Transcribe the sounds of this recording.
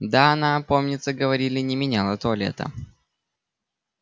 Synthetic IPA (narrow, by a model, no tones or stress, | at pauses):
d̪aɐnapo̞mnʲɪt̪səɡəvɐɾʲilʲɪnʲɪmʲɪnʲalˠət̪olʲɪɛ̰t̪ə̰